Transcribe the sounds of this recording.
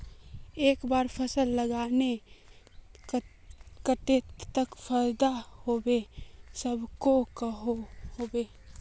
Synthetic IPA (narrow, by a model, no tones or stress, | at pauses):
eːkbaːɾpʰəsəlːəɡaːne | kəʈet̪t̪əkpʰəɾd̪ahoːbesəbʱkokəɦohoːbeː